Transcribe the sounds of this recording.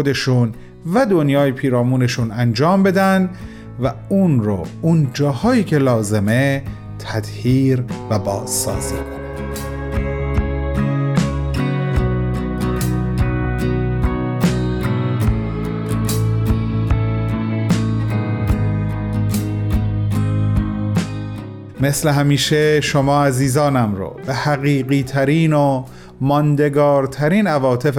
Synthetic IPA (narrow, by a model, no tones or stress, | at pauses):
od̪e̞ʃun | væd̪onjɒːjepʰiːɾɒːmuːne̞ʃuːnænd͡ʒɒːmbe̞d̪ænd̪ | væunɾo̰und͡ʒɒːhɒːjiːcʰe̞lɒːze̞me | t̪ʰæd̪̥hiːɾvæbɒːz̥sɒ̰ːzikʰon | me̞sleɦæmiːʃeʃomɒːæziːzɒːnæmɾo̰ːbehæɣiːɣiːt̪ʰæɾiːno | mɒnd̪e̞ɡɒːɾt̪ʰæɾiːnævɒːt̪ʰe̞f